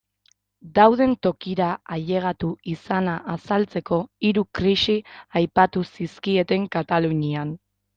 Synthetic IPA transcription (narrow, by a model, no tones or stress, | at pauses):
d̪awð̞e̞nt̪o̞kiɾaaʎe̞ɣ̞at̪uisanaʔasalt͡se̞ko̞iɾukɾisiajpat̪usiskie̞t̪e̞ŋkat̪aluɲian